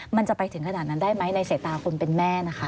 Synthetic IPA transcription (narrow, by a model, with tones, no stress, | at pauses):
ma˧nt͡ɕa˨˩pa˧jt̪ʰɯ˩˦ŋkʰa˧naː˨˩na˦˥ndaː˥˩jma˦˥jna˧jseː˨˩t̪ːaː˧kʰo˧npe˧nmɛː˥˩na˦˥kʰa˦˥